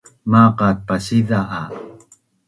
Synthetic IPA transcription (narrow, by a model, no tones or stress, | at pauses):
maqat̪̚pasiðaʔː